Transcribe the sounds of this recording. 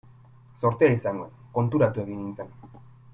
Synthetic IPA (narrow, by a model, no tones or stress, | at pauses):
so̞ɾt̪eaisaŋɡo̞̰ | ko̞nt̪uɾat̪ue̞ɣiŋint͡se̞n